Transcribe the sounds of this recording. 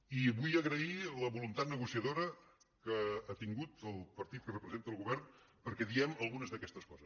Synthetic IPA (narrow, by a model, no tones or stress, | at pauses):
iβujəɣɾəiləβulunt̪at̪̚nəɣusiəðoɾə | kəːt̪iŋɡut̪əlˠpəɾt̪it̪̚kərəpɾəzent̪əːlˠɣuβɛrn | pəɾkɛðiɛməlˠɣunəzðəkɛst̪əskɔzəs